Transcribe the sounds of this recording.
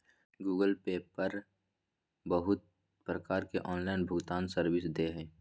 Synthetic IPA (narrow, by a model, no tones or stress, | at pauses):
ɡuːɡəlpeːpəɾ | bəɦʊt̪̚ | pɾəkaːɾkeʔɔːnlaːɪnbʱʊɡt̪aːnsəɾwɪsd̪eːɦɛ̃ː